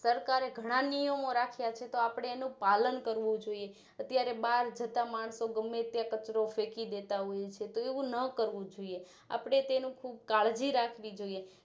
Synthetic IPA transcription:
səɾkaɾeɡʱəɽ̃anijəmoɾakʰjat͡ʃʰet̪oapɽ̃eːnũpalənkəɾʋũd͡ʒoie | ət̪jaɾebaɾd͡ʒət̪amaɳ̃soɡəmːet̪jakət͡ʃɾofekid̪et̪aɦojet͡ʃʰet̪oeʋũnəkəɾʋũd͡ʒoie | a̰pɽ̃et̪enũkʰub̚kaɭd͡ʒiɾakʰʋid͡ʒoie

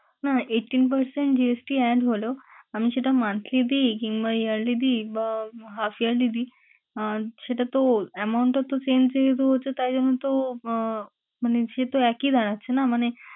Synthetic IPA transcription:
naeʈːiːnp̬əɾseɳʈ̚d͡ʑiesʈiːɛɖɦoloam̤iːɕeʈamant̪ʰlid̪iːkĩŋɡʋajəɽlid̪iː | ɦafjəɾlid̪iː | ɕeʈat̪oɛmauɳʈat̪ːot͡ɕend͡ʑeket̪oɦot͡sət̪aid͡zəñũt̪o | m̤əneɕet̪oɛkiːd͡zʱaɽ̃at̪t͡ɕʰenam̤əɽ̃e

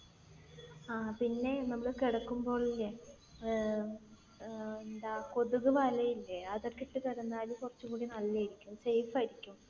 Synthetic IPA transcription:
aːpinːe̞nɐmːɐɭkiɽɐkːumbo̞ːɭilːe | end̪ako̞ðuɣuʋɐlɐjilːeɐðɐrkiʈːɨkɐɾunːaːlukorɐt͡ɕːukuːɽinɐlːɐjiɾikʲːumsejfɐjiɾikʲːum

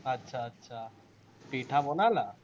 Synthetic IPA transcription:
ətːɕʰaːtːɕʰa | piʈʰabɔnala

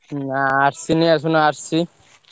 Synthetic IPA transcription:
aːɾsinias̬unaɾsi

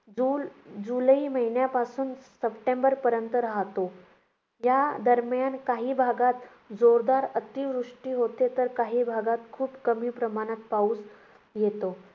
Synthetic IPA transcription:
ud͡zuləiːməɦinjapasuːnsəpʈembəɾpəɾjənt̪əɾaɦt̪o | jad̪əɾmjankaɦiːbʱaɡat̪ | d͡zoɾd̪aɾət̪iʋɾuʂʈiːɦot̪et̪əɾkaɦiːbʱaɡat̪kʰuːpkəmiːpɾəmaɽ̃at̪̚pauːs | jet̪o

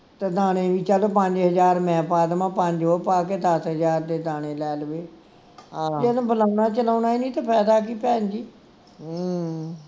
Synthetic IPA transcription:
t̪eːd̪aːɽ̃eːʋiːt͡ʃaloːpəɲd͡ʒɦəzaːɾmɛ̃ːpaːd̪mãːpəɲd͡ʒɦoːpaːkeːd̪əsɦəzaːɾt̪eːd̪aːɽ̃ẽːlɛːləʋeː | d͡ʒenũːbəlaːunaːt͡ʃəlaːnaːinĩːt̪aːpʰɛːd̪aːk̬iːpɛːnd͡ʒiː

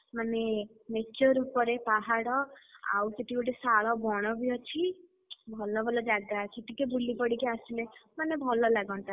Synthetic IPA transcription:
mane | met͡ʃɔɾupɔɾepaɦaɽɔa̰wseʈʰikoʈesaɭɔbɔɽ̃ɔbiɔt͡ʃʰi | bʱɔlɔbʱɔlɔd͡ʒaɡakʰiʈikebulipɔɽikeasilemanebʱɔlɔlaɡɔnt̪a

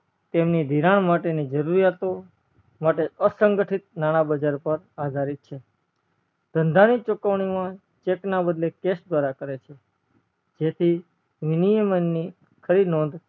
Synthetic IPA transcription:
t̪emnid̪ʱiɾaɳmaʈenid͡ʒəɾuɾijat̪o | maʈeəsəŋɡəʈʰit̪̚nañabəd͡ʒaɾpəɾ | ad̪ʱaɾit̪̚t͡ʃʰe | d̪̥ʱənd̪ʱanit͡ʃokəʋɳ̃imã | t͡ʃeknabəd̪lekesd̪ʋaɾakəɾet͡ʃʰe | d͡ʒet̪ʰi | ʋinijəmənːi | kʰəɾinõnd̪

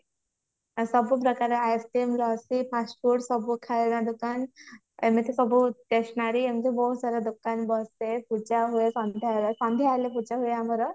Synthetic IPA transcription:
sɔbupɾɔkaɾeajesʈimlɔsipʰasʈpuʈsɔbukʰalnad̪ukan | emet̪esɔbut̪eʃnaɾiemt̪ʰebɔɦusaɾad̪ukanbɔsepʰut͡ʃaɦuesɔnd̪ʱalesɔnd̪ʱialepʰut͡ʃaɦueamɔɾɔ

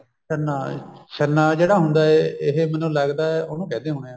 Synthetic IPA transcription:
ʃənːaːʃənːaːd͡ʒeːɽaːɦʊnd̪aːɛɪɦemɛnũːləɡd̪aːɛoːnũːkɛːd̪eːɦoːɽeãː

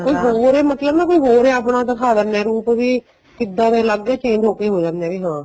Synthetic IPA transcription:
koːiːɦoːɾeːmət̪ləbnãːkoːiːɦoːɾeːapnãːt̪̬akʰaːd̪əɾnɛ̃ːɾuːpʋiː | kɪd̪ːãːd̪ẽːləɡɛːt͡ʃẽːɲd͡ʒɦoːkeːɦoːd͡ʒãːnd̪ɛ̃ːʋiːɦãː

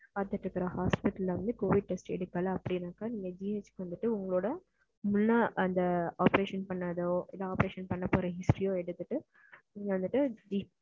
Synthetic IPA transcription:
ɐt̪ːɐʈːɪɾɯkːɐɾɐhaːspɪʈːɐlːɐʋɐnd̪ɯkoːʋɪɖ̚ʈɛsʈɛ̰ɽɯkːɐlɐpːɐɽinaːkːaniːŋɡɐd͡ʒiːeːt͡ʃkɯʋɐnd̪ɯʈːɯʊŋɡɐɭoːɽɐ | mʊnːaːʔɐnd̪ɐaːpɐɾeːʂɐnpɐɳːɐðoɪlːaːaːpɐɾeːʂɐnpɐɳːɐpːoːɾɐɦɪsʈɾijõːɛɽɯt̪ːɯʈːɯ | niːŋɡɐʋɐnd̪ɯʈːɯd͡ʒi

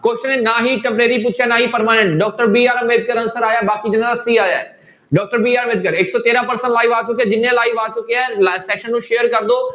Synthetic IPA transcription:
koːʃənẽnaːɦiʈɛ̃mpɾeːɾipʊt͡ɕt͡ʃʰanaːɦipɐɾmaːnẽɳʈɖɔːk̚ʈəɾbiːaːɾmeːd̪̚kəɾɐnsəɾaːjabaːkid͡ʑɪñə̃d̪asiːaːjae | ɖɔːk̚ʈəɾbiːaːɾmeːd̪̚kəɾɪksɔːt̪eːɾãpɐɾsə̃ɳʈlaːiʋaːt͡ʃʊkiad͡ʑɪnẽlaːiʋaːt͡ʃʊkijalasɛːʃənːũʃeːjəɾkɐɾnd̪o

